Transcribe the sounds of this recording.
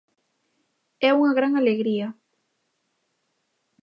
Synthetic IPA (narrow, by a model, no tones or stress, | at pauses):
ɛuŋɐɣɾaŋaleɣɾia